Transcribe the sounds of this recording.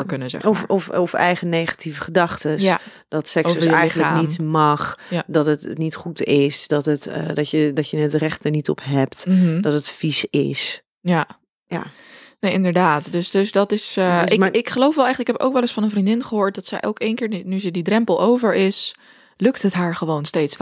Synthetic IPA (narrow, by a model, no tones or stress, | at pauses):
əkønəzɛ̰fɔfovəɛjχənejχḁtʰivəχədɑχtəs | d̥ɔtsɛksoɛjənlakːnnitmɑχjdɔtətnitχutɪsd̥ɔtətdɔtjədɔtjəətrɛχt̚əɹnitɔ̰pɦɛp̚td̥ɔtətfisɪ̰s | ja | ja̰neːɪndəɹdaːtdøsdøsdɔtɪsɪmaɪkχəlowfʋɛlˠɛχɪkɦɛpo̰wkʋɛlˠəsfɔnənvrindɪnχəɦoːɹt̚dɔtsɛ̰jʔokenkɪːɹnyzədidrɛmpəlˠowvəɹɪs | lɵktətɦaːɹχəʋoːwnsteːts